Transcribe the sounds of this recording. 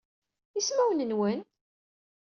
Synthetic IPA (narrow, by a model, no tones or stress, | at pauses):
ismæwənənwən